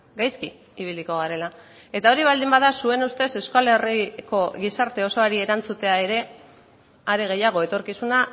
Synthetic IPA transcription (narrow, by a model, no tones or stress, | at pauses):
ɡajski | iβ̞iliko̞ɣaɾe̞la | e̞t̪ao̞ɾiβ̞ald̪imbaðasue̞nust̪e̞se̞skale̞riko̞ɣisaɾt̪e̞o̞so̞aɾie̞ɾant͡sut̪e̞ae̞ɾe̞ | aɾeɣ̞e̞jaɣ̞o̞e̞t̪o̞ɾkisuna